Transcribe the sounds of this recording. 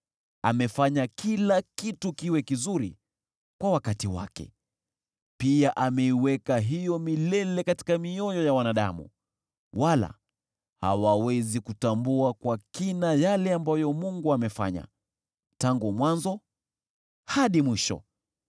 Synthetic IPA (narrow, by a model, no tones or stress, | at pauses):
a̰mɛfaɲakʰilakitukiwɛkizuɾi | kwawakatiwa̰kɛ̰ | piaʔamɛiwɛkaɦijɔmilɛlɛkati̥kamiɔjɔjawanaɗa̰mṵ | wala̰ | ha̰wawɛzikutambuakwakinajalɛambajɔmuŋɡuamɛfa̰ɲa̰ | taŋɡumwanzɔ | haɗimwiʃɔ̰